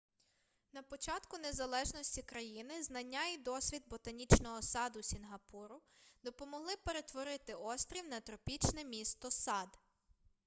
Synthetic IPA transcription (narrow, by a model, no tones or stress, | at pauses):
nɐpɔt͡ʃɑt̪kʊne̞zɐlˠɛʒnɔsʲtʲikɾɐjinɪznɐnʲːaid̪ɔsʲʋʲid̪̚bɔt̪ɐnʲit͡ʃnɔɦɔsɑd̪ʊsʲinɦɐpuɾʊd̪ɔpɔmɔɦlˠɪpe̞ɾe̞t̪ʋɔɾɪt̪ɪɔst̪ɾʲiwnɐt̪ɾɔpʲit͡ʃnɛmʲist̪ɔsɑd̪